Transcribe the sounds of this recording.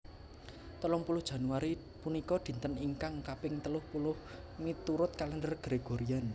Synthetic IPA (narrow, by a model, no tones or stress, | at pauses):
t̪ɔlɔŋpulʊhd̥ʒ̥a̤nuaɾi | punikɔd̪̥i̤nt̪əniŋkaŋkapɪŋt̪əlʊhpulʊh | mit̪uɾʊt̪̚kaləndərɡ̥ɾeɡ̥oɾian